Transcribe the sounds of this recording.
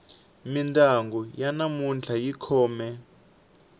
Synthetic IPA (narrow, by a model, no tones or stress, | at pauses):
mintʼaŋɡɔjanamund͡ɮʰajikʰɔːmɛ